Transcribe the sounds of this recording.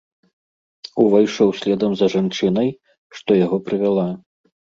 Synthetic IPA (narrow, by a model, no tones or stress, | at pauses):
uvajʂɛwsʲlʲɛd̪ɐmzɐʐant͡ʂɨnɐj | ʂt̪ɔjaɣɔpɾɨvʲalˠa